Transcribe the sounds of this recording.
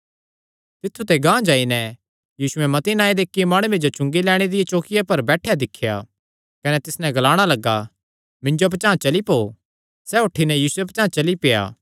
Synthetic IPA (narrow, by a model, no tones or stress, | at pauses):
t̪ɪt̪ʰːut̪eɡãːd͡ʒaːinɛ | jiːsʊɛmɐt̪inaːed̪eːkːiemaːɽ̃ʊʋẽd͡ʒot͡ʃʊ̃ŋɡilɛːɽ̃ed̪ɪjet͡ʃoːkɪjapɐɾbɛːʈʰjad̪ɪkʰːja̰ | kɐnɛt̪ɪsnɛ̃ɡɐlaːɽ̃alɐɡːa | mɪ̃ɲd͡ʒoɐp̬t͡ʃãːt͡ʃɐlipoː | sɛːɦʊʈʰːinɛjiːsueɐp̬t͡ʃãːt͡ʃɐlipeja̰ː